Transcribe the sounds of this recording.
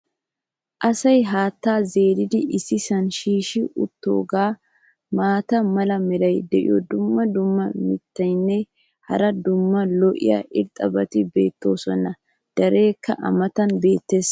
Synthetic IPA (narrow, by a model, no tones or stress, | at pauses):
ʔɐsɐjɦaːt̪ːaːze̞ːɾɪd̪ɪʔɪsːɪsɐnʃiːʃɪʔʊt̪ːo̞̰ːɡaː | maːt̪ɐmɐlɐmɛɾɐjd̪ɛʔɪ̰jɔd̪ʊmːɐd̪ʊmːɐmɪt̪ːɐjnːɛ | hɐ̰ɾɐd̪ʊmːɐlɔʔɪ̰jɐ̰ʔɪɾt̪ʼːɐbɐt̪ɪbe̞ːt̪ːo̞̰ːsɔnːɐ | d̪̥ɐɾe̞ːkːɐʔɐ̰mɐt̪ɐnbe̞ːt̪ːe̞ːs